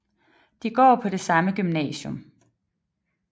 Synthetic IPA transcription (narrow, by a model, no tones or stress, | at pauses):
d̥iɡ̥ɒ̰ːpʰɒ̽d̥e̝sɑ̈məɡ̥ymnɛ̰ːɕjom